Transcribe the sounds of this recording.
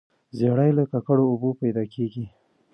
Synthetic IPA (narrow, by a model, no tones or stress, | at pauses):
zeɽajlakakaɽoːbopajd̪ɑkʰeɡi